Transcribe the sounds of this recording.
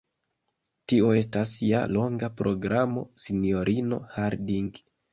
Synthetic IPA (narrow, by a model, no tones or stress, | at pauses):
tio̞e̞stasja̰lo̞ŋɡapɾʔo̞ɡɾʔamo̞̰sinio̞ɾʔino̞̰haɾdiŋɡ